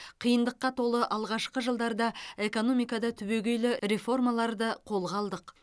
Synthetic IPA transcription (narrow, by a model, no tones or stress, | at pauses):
qʰijənd̪əqːɑt̪ʰo̞lˠəʔɑlˠʁɑʃqəʒəlˠd̪ɑɾd̪ɑe̞kono̞mijkɑd̪ɑt̪ʰʏbe̞ɡʲe̞jlɪɾe̞fo̞rmɑlˠɑɾd̪əqʰo̞lˠʁɑlˠd̪əq